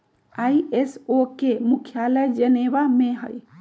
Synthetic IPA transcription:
aiesokemukʰjaləjd͡ʒənebameɦə̰j

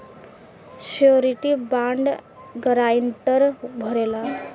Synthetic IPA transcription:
sioɾiʈibaɳɖ | ɡəɾaiɳʈəɾbʱəɾela

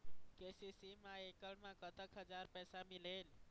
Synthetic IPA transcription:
kesisimãekəɽmãkət̪ʰəkɦəd͡ʒaɾpɛːsamileːl

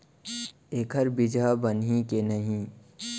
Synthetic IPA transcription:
eːkʰəɾbɪd͡ʒabənɦĩkenɐɦĩː

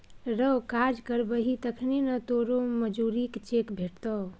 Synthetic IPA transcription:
ɾəkad͡ʒkəɾbəɦit̪əkʰnenət̪oɾoməd͡ʒuɾikt͡ʃekbʱeʈ̚t̪ə

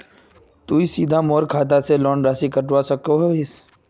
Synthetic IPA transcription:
t̪uːisiːd̪ʱamɔːɾkʰaːt̪̬aselɔːnɾaːsikəʈwasək̚oɦoɪs

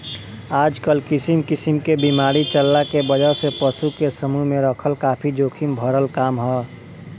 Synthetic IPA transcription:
aːd͡ʒkəlkɪsimkɪsimkebimaːɾit͡ʃəlːakebəd͡ʒəɾsepəsukesəmuɦmẽɾəkʰəlkaːpʰid͡ʒoːkʰimbʱəɾəlkaːmɦɛː

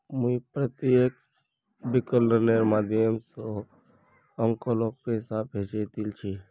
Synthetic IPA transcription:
mũipɾət̪ijek | bikəlːəneɾmad̪jəmso | əŋkolok̚pesapɦet͡ʃet̪ilt͡ʃʰi

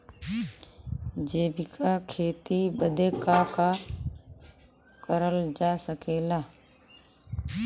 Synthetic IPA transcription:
d͡ʒeːbɪkʰakʰeːt̪ibəd̪ʱeːkaːka | kəɾəld͡ʒaːsəkeːlaː

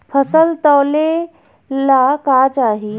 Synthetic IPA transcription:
pʰəsəlt̪ɔːle | laːkaːt͡ʃaːɦi

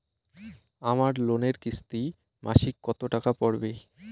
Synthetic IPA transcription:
amaɾloneɾkist̪i | maʃikkːɔt̪oʈakapɔɾbe

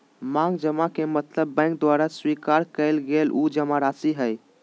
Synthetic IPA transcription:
mãŋɡd͡ʒəmakemət̪ləbːɛ̃ɪ̃ŋk̚d̪waɾaswikaɾkəɪlɡelʔud͡ʒəmaɾasiɦəj

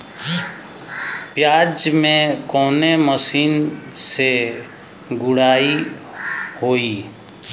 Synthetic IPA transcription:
pjaːd͡ʒmẽkɔːneməsiːnse | ɡʊɽ̤aːi | hoːiː

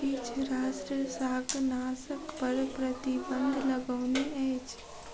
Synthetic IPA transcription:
it͡ʃʰɾaːsʈɾəsaːɡnaːsəkpəɾpɾət̪ibə̃nd̪ʱləɡəːneɛjt͡ʃʰ

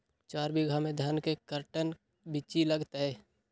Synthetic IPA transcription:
t͡ʃaːɾbiɡʱamẽd̪ʱənkekəɾʈən | bɪt͡ʃiləɡt̪ɦɛː

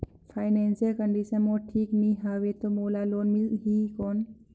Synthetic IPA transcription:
fʰaːɪneːnsiəlkəɳɖiʃənmoːʈʰiːkniɦaːʋet̪omoːlaloːnmɪlɦiːkɔːn

